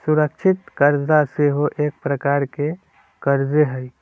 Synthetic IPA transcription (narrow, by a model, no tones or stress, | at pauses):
suɾəkʃʰɪt̪kəɾd͡ʒaseɦoʔeːk̚pɾəkaːɾke | kəɾd͡ʒeɦəi